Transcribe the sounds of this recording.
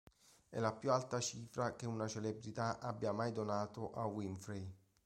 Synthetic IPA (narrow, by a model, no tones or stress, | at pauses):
ɛ̰lapjualt̪at͡ʃiːfɾak̟eunat͡ʃelebɾit̪aʔabːjamajd̪onaːt̪ʊʔawinfɾej